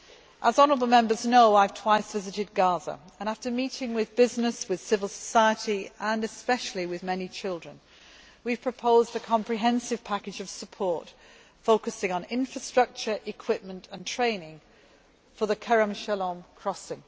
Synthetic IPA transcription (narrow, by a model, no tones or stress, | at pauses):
ʔəzɒnə˞əbl̩ˠmɛ̃mbə˞znoʊaɪv̥tʰw̥aɪsvɪzɨɾɪd̚ɡɑzə̰ | ə̃ɾ̃aftəmiˑtɪ̃ŋwɪðbɪznɪswɨð̥sɪvəl̩ˠsə̥saɪətiə̃nɨspɛʃl̩ˠiwɪðmɛnit͡ʃʰɪlˠdɹə̃n | wiv̥pʰɹ̥əpʰoʊzdəkʰɑ̃mpʰɹ̥iɦɛ̃nsɨv̥pʰakɨd͡ʒʌv̥səpʰɔɹt | foʊkɨsɪ̃ŋə̃nɪ̃ɱfɹəstɹ̥ʌk̚t͡ʃə˞ʔɪkʰw̥ɪp̚mə̃ntʰə̃ntʰɹ̥ẽɪ̃nɪ̃ŋ | fəðəkʰɛɹə̃mʃɛlə̃mkʰɹ̥ɒsɪ̃ŋ